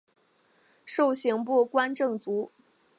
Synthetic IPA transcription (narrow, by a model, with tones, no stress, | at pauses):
ʂo˥˩ʊɕi˧˥ŋpu˥˩kwa˥nʈ͡ʂɤ˥˩ŋt͡su˧˥